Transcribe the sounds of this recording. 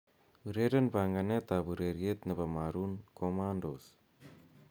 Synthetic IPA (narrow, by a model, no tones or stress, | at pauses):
ɯɾeɾenbaŋɡanet̪abɯɾeɾiet̪nɐbamaɾunkʰomandos